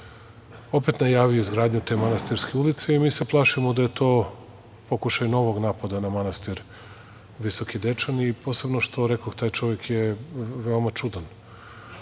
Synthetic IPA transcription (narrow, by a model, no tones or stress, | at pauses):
o̞pe̞t̪najaːʋijoizɡɾaːd̪ɲut̪e̞manast̪iɾskeulit̪seimiːse̞plˠaʃimod̪aje̞t̪o̞ː | po̞kuʃajno̞ʋo̞ɡnaːpad̪anamanast̪iɾ | ʋiso̞kid̪et͡ʃanipo̞se̞bnoʃt̪o̞ɾekoxt̪aːjt͡ʃo̞ʋjekjeʋeo̞mat͡ʂud̪an